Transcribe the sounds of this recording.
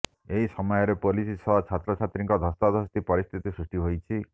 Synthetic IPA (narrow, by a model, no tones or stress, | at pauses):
eɦisɔmɔjɔɾepolisisɔat͡ʃʰat̪ɾɔt͡ʃʰat̪ɾiŋkɔd̪ʱɔst̪ad̪ʱɔst̪ipɔɾist̪ʰit̪isɾusʈiɦojt͡ʃʰi